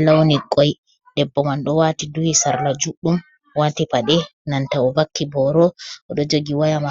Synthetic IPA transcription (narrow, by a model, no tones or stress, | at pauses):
lawniɡɔj | ɗɛbːɔmanɗɔwatiduhisaɾlad͡ʒuɗːum | watipaɗɛ | nantawɔvakːibɔɾɔʔɔɗɔd͡ʒoɡiwajama